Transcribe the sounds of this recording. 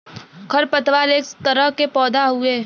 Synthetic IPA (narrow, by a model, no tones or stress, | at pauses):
kʰɐɾpət̪ʋaːleːkt̪əɾəɦkepɔːd̪aɦueː